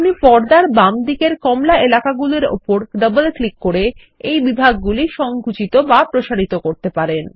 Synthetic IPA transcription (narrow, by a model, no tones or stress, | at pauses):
unipɔɾd̪aɾbamd̪ikeɾkɔmlaelakaɡuleɾo̰poɾɖəbəlklikːoɾe | ejbibʱaɡːuliʃɔŋɡʱut͡ɕit̪obapɾoʃaɾit̪okoɾt̪epaɾen